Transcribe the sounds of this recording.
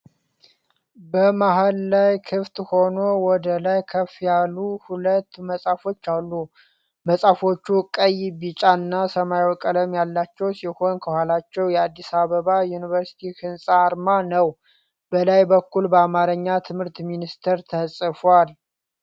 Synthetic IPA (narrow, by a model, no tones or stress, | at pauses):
bəmaɦəlːajkʰɨft̪ʼho̞no̞wɔd̪əlajkʰəfjalːuhulət̪ːməsʼafo̞t͡ʃːalːu | məsʼafo̞t͡ʃːukʼəjbit͡ʃʼanːasəmajwɔkʼələmjalːat͡ʃːɛwsiho̞nkʰəhʷalat͡ʃːɛwjɛad̪ːisaβəβajunivəɾsi̥t̪ʰikɨnsʼaːɾmanəw | b̥əlajbəkːulbəamaɾəɲːat̪ʰɨmhɨɾt̪minist̪ʰəɾt̪ʰəsʼɨfal